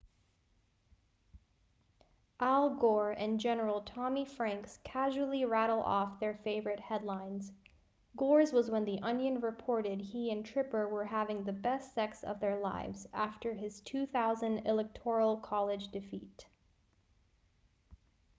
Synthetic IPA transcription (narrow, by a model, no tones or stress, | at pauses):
ʔælˠɡɔɹɨ̃nd͡ʒɛnə˞l̩ˠtʰɑmifɹæ̃ŋkskʰæʒul̩ˠiɹæɾl̩ˠɔ̰fðə˞feɪvə˞ɨt̚hɛdˡlãɪ̃nz̥ | ɡɔɹzwʌzwə̃nðiʔʌ̃njɨ̃nɹɨpʰɔɹɾɪd̚iɨ̃ntʰɹ̥ɪpə˞wə˞ɦævɪ̃ŋðɨbɛstsɛksʌ̰vðə˞la̰ɪvzæftə˞ɪz̥tʰʉθaʊzɨ̃ndɪlˠɛk̚tʰɔɹl̩ˠkʰɑlˠɪd͡ʒdɨfit